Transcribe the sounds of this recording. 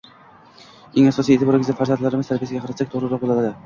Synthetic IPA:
eŋasɒsijet̪ʰɪbɒɾɪŋʲɪzd̪afaɾzand̪laɾɪmɪzt̪aɾbijasɪɡʲaqʰɑɾat̪sak̚ʲt̪ʰoʁɾɪɾɒq̚bolˠalad̪ɪ

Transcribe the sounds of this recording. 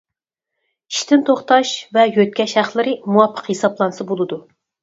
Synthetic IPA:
i̥ʃt̪ʰɪnt̪ʰoχt̪ɑʃvɛjøt̪̚ʲkʲɛʃhæχlˠɨɾɨmuwɑpʰːə̥qhesɑblˠɑnɨsɨbolˠɨd̪u

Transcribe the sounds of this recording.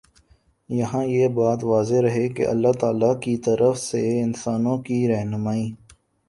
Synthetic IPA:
jɐɦãjeːbaːt̪ʋaːzeɾɐɦekḛʔɐ̰lːat̪aːlakit̪ɐɾəfseɪnsaːnõkiɾɛɦnʊmaːĩː

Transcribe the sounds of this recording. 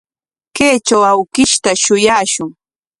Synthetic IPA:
keːt͡ʃawawkɪʃt̪aʃʊjaːʃʊŋ

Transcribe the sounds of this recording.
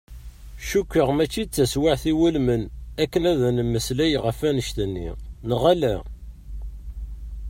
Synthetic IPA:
ʃukʷːəʁmæt͡ʃːit͡sːæswaʕθiwulmənækːənæðænəmːəslæjʁəfænəʃt̪ənːḭnəʁælæ

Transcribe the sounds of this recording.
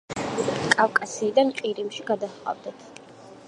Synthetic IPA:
kʼavkʼasiːd̪anqʼiɾimʃiɡad̪aχqʼa̰vd̪at̪ʰ

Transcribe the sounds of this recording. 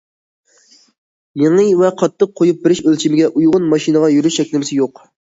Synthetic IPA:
jeŋɨvɛqʰɑt̪ʰːəq̚ʰːojup̚bɪɾɪʃølt͡ʃʰimɪɡʲɛʔujʁʊnmɑʃinəʁɑjyɾyʃɛkʲlɪmɪsɪjoq

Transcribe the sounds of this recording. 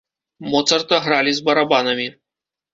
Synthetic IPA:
mɔt̪sɐrt̪ɐɣɾalʲizbɐɾabanɐmʲi

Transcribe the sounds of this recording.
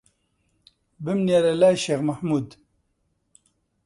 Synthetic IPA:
bɨmneɾɐlaːjʃeːɣmɐħmuːd̪

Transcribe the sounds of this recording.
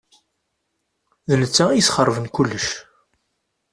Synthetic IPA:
ðənət͡sːaisχərˤːvənkulːəʃ

